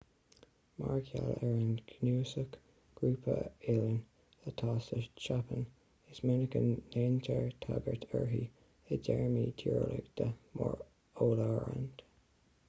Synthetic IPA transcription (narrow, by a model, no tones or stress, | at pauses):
maɹkʰjalɛɹənɡnuːsək | ɡ̥ɹuːpʰəelən | ðət̪ʰɑːsət͡ʃapʰən | ɪsmɪnəkənːentʰəɹt̪ʰaɡəɹtʰɛɹɦi | əd͡ʒɛɹmitʰiɹlɪɡd̪̥əmɔɹ | oːləɛɹə̰nd̪̥